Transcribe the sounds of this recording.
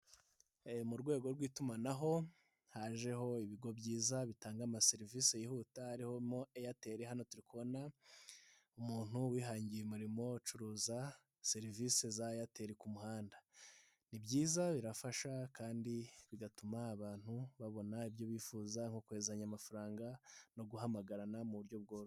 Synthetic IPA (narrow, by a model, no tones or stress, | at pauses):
muɾɡwe̞ːɡo̞ɾɡwiːtumanaɦo̞ | haʒe̞ɦo̞iβiɡo̞bɟiːzaβitaːŋɡamase̞ɾivisejihuːtahaɾiho̞mo̞ejate̞ɾeɦano̞tuɾikuβo̞na | umuːn̥huwiːɦaːɲɟijemuɾimo̞t͡ʃuɾuːza | se̞ɾiviːse̞zajate̞ːɾekumuhaːnda | nibɟiːzaβiɾafaʃakaːndiβiɡatumaːβaːn̥huβaβo̞naibjo̞βiːfuːzaŋho̞kue̞ːzaɲamafaɾaːŋɡano̞ɡuɦamaɡaɾanamuβuɾɟo̞β̚ɡo̞ːβ